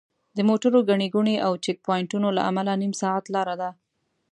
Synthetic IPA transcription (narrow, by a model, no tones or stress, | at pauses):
d̪əmoʈaɾoɡaɳeɡuɳeʔawt͡ʃɪk̚pɑjɪɳʈunola̰ʔa̰malanimsɑat̪lɑɾad̪a